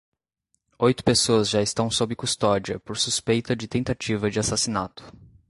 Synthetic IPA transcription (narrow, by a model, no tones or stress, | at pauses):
ojt̪ʊ̥pesoɐzʒaɪst̪ɐ̃w̃sobɪkust̪ɔd͡ʒiɐpoɾsuspejt̪ɐd͡ʒɪt̪ẽnt̪at͡ʃivɐd͡ʒɪasasinat̪ʊ̥